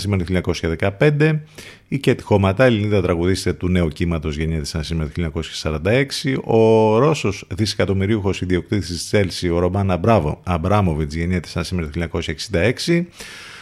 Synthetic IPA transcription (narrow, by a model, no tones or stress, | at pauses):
simeɾt̪uçiɲɐko̞sçɐðekɐpe̞nd̪e̞ | icet̪i̥xo̞mɐt̪ɐeliniðɐt̪ɾɐɣuðist̪et̪une̞ucimɐt̪o̞zʝe̞ɲet̪esɐnsimeɾt̪uçiɲɐko̞sçɐ̥sɐɾɐnd̪ɐe̞ksio̞ɾo̞so̞sðise̥kɐt̪o̞miɾiuxo̞siðio̞k̚t̪iθi̥sist̪i̥se̞lsio̞ɾo̞mɐnɐbɾɐvo̰ɐbɾɐmo̞vit͡sʝe̞ɲet̪e̥sɐnsimeɾot̪çiliɲɐko̞sçɐeksind̪ɐe̞ksi